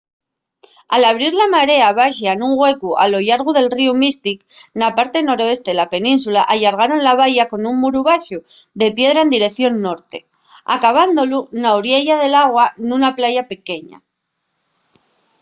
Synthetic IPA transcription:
alaβɾiɾlamaɾe̞aβaʃanuŋɣwe̞kua̰lo̞jaɾɣ̞uðe̞lriumist̪iknapaɾt̪e̞no̞ɾo̞e̞st̪e̞ðelape̞nĩns̬ulaʔaʎaɾɣ̞aɾo̞nlaβ̞aʝako̞nuŋmuɾuβaʃuðe̞pje̞ðɾae̞nd̪iɾe̞kθjo̞nːo̞ɾt̪e̞ | a̰kaβ̞and̪olunaoɾjeʝaðe̞laɣwanunaplaʝape̞ke̞ɲa̰

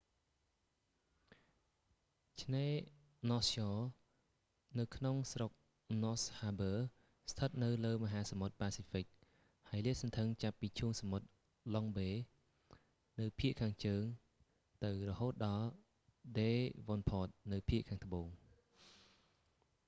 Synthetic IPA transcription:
t͡ɕʰneː | nɔsjɔː | nɨwkʰnoŋsrok̚ | noshaːbəː | st̪ʰət̪̚nɨwləːməɦaːsamot̪̚paːsifik̚ | haəjliəʔsɑnt̪ʰəŋt͡ɕapːiːt͡ɕʰuːŋsamot̪̚ | lɔŋɓeː | nɨwpʰiəʔkʰaːŋt͡ɕəːŋ | t̪ɨwrɔhoːt̪̚ɗɑl | ɗeːʋonpʰɔːt̪̚nɨwpʰiəʔkʰaːŋt̪əɓoːŋ

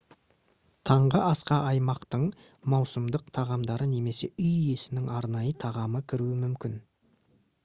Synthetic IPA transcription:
t̪ʰɑɴʁəɑsqɑʔɑjmɑqt̪əɴ | mɑwsəmd̪əqt̪ʰɑʁɑmd̪ɑɾəne̞me̞se̞ʔʏjje̞sɪnɪŋɑɾnɑjət̪ʰɑʁɑməkʲʰɪɾuɪmʏmkʲɪn

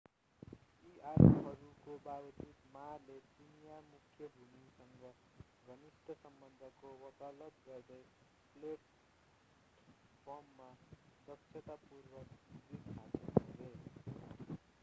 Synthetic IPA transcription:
iʔaɾɦʌɾukobabʌt͡sit̪malet͡ʃinjamukʰjʌbʱumisʌŋɡʌ | ɡʱʌnist̪ʰʌsʌmbʌnd̪ʱʌkowʌt̪ʌlʌt̪ɡʌrd̪ʌj | pleʈ | pʰʌmːaɾʌksʰʌt̪apurbʌdikatɦele

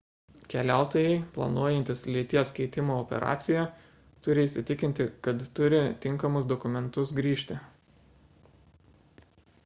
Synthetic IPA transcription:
kʲɛlʲæˑʊt̪oːjɛɪplˠɐ̰nuɔjɛnʲt̪ʲɪslʲiːt̪ʲiɛskɛɪt̪ʲɪmoːɔpʲɛ̰ɾʔɑ̰ːt̪sʲɪjɛ | t̪ʊɾʲɪiːsʲɪt̪ʲɪkʲɪnʲt̪ʲɪkɐt̪t̪ʊɾʲɪt̪ʲɪŋkɐmʊsd̪ɔkʊmʲɛnt̪ʊsɡɾʲiːʃʲt̪ʲɪ

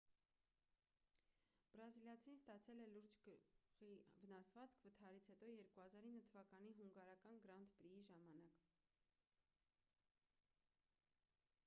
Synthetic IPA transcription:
b̥ɾɑziljɑt͡sʰinst̪ɑt͡sʰɛlɛluɾd͡ʒʁivənɑsvɑt͡skʰvət̪ʰɑɾit͡sʰhɛt̪ɔjɛɾkuhɑzɑɾinːət̪ʰəvɑkɑniɦuŋɡɑɾɑkɑnɡəɾɑnt̪ʰbɾiiʒɑmɑnɑk

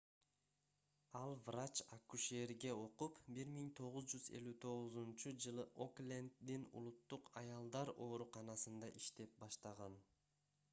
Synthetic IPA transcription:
ɑlˠvrat͡ʃakuʃeɾɡe̞o̞qupbiɾmiŋt̪ʰo̞ʁuzd͡ʒyze̞̰lʲyt̪ʰo̞ʁʊzunt͡ʃud͡ʒɯlˠɯʔoklʲend̪ːinṵlˠut̪ːuqɑjɑlˠd̪ɑɾo̞ːɾuqɑnɑsɯnd̪ɑʔiʃt̪e̞p̚bɑʃt̪ɑʁɑn

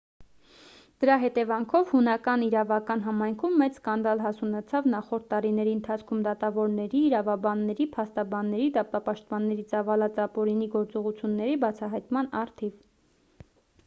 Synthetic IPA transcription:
d̪̥əɾɑɦɛt̪ɛvɑŋkʰɔvhunɑkɑniɾɑvɑkɑn̪ɦɑmɑjŋkʰumːɛt͡sskɑnd̪ɑlɦɑsunɛt͡sʰɑvnɑχɔɾt̪ːɑɾinɛɾiənt̪ʰɑt͡sʰkʰumd̪ɑt̪ɑvɔɾnɛɾiːɾɑvɑbɑnːɛɾipʰɑst̪ɑbɑnːɛɾid̪ɑpɑpɑʃt̪̚pɑnːɛɾit͡sɑvɑlɑt͡sɑpɔɾiniɡɔɾt͡sɔʁut͡sʰjunːɛɾibɑt͡sʰɑɦɑjt̪mɑnɑɾt̪ʰiv

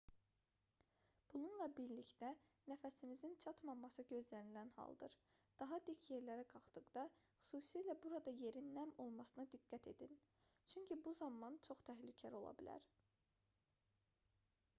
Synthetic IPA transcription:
b̥ununlˠɑbiɾlicd̪ænæfæsinizint͡ʃʰɑt̪mɑmɑsɯɟø̞zlænilænhɑ̰lˠd̪ɯ̰ɾd̪̥ɑɦɑd̪icʰje̞ɾlæɾækʰɑχt̪ɯɡd̪ɑxy̥suːsilæbuɾɑd̪ɑje̞ɾinːæmo̞lˠmɑsɯnɑd̪iɡːæt̪ʰe̞̰d̪in | t͡ʃʰyɲcʰibuzɑmɑnt͡ʃʰo̞χt̪ʰæɦlycʰælɾo̞lˠɑ̰bilæ̰ɾ

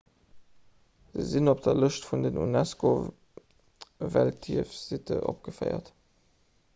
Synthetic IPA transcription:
z̥əzinop̚d̥ɐləʃtfundənʔṵnæsko | væltʰiəfz̥itʰəʔo̰p̚ɡ̥əfɜ̰ɪɐ̰t

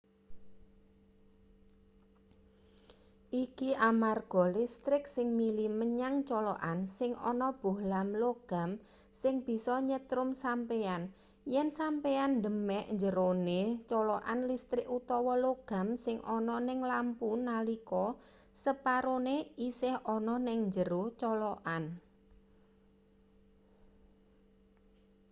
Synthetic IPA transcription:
ʔikiʔamarɡ̥ɔ̤list̪ɾɪk̚sɪŋmiliməɲaŋt͡ʃɔlɔʔansɪŋɔ̰nɔb̥ṳhlamloɡ̥a̤m | sɪŋb̥i̤sɔɲət̪ɾʊmsampean | jɛnsampeand̪ə̤mɛʔɲd͡ʒəɾonet͡ʃɔlɔʔanlist̪ɾɪʔut̪ɔwɔloɡ̥a̤msɪŋʔɔnɔnɪŋlampunalikɔ | səpaɾoneisɪhɔnɔnɪŋɲd͡ʒəɾot͡ʃɔlɔʔan

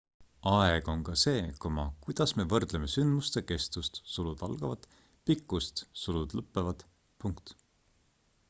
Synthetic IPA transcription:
ɑeɡ̥o̞ŋkɑse̞ːkomɑkujd̪̥ɑsme̞vɤrd̪̥leme̞synd̪must̪eke̞st̪ust̪sulud̪̥ɑlɡ̥ɑvɑd̪̥ | pikːˑust̪sulud̪̥lɤpːˑevɑd̪̥ | puŋkt̪

